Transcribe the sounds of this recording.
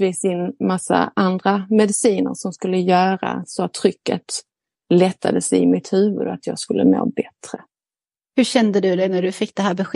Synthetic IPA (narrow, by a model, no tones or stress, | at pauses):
viːsɪnːmasːa̰ʔand̪ɾamɛd̪ɪsiːnə̰ɾʂɔmskɵlːəjœːɾa̰sɔat̪ʰːɾʏkːə̰t̪ | lɛt̪ʰːad̪əsɛɪmɪt̪hʉ̟ːvɵ̰d̪at̪ʰjɑːɡskɵlːəno̰ːbɛt̪ɾə | hɵɕɛnd̪əd̪ɵd̪ɛnæɖɵfɪk̚ːd̪ɛɦæːɾbɛɧe